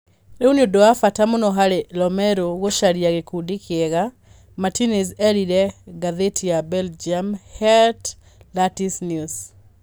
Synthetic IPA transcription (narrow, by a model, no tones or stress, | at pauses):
ɾeuniodoafatamonɔɦaɾelɔmɛɾoɣoʃaɾiaɣekudikʰɛɣa | matinizɛɾiɾɛɡaðetʰiabɛld͡ʒiamhɛt | latisnjus